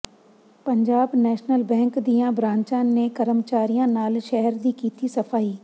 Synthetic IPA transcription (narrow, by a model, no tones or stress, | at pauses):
pəɲd͡ʒaːbnɛːʃnəlbɛ̃ːŋkd̪ijãːbɾãːɲt͡ʃãːneːkəɾəmt͡ʃaːɾijãːnaːlʃɛɦəɾd̪iːkiːt̪iːsəpʰaːiː